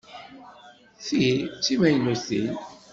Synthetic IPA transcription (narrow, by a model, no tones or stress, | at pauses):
θit͡sːimæjnuθi